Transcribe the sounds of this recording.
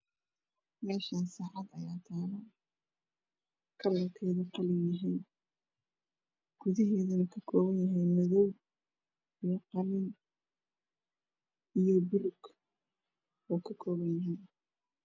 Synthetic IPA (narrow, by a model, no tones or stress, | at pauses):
mɛːʃaːnsaːʕɑd̪ɐjaːt̪ʰaːlɐ | kʰɐlɐlkʰɛːðɐqɑlɪjɐɦijn | ɡ̥ʊðɐɦɛːðɐnɐkʰɐkʰɔːβɐnjɐɦɛjmɐðɔw | ijqɑlɪn | ijɔbʊlʊɡ̥ | ɔːkʰɐkʰɔːβɐnjɐɦɛj